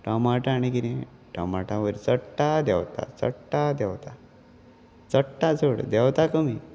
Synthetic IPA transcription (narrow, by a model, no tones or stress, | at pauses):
ʈamaʈãːɽ̃ikiɾẽ | ʈa̰maʈãʋəɾt͡səʈːad̪ɛ̰wt̪a̰t͡sə̰ʈːad̪ɛwt̪a | t͡səʈːad͡zoɽd̪ɛwt̪akəmi